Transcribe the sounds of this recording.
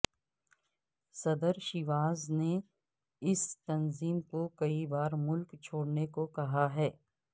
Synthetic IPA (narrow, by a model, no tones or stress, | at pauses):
sɐd̪əɾʃɪʋaːzne | ɪst̪ɐnziːmkokɐibaːɾmʊlkt͡ʃʰoːɽnekokɐɦaɦɛː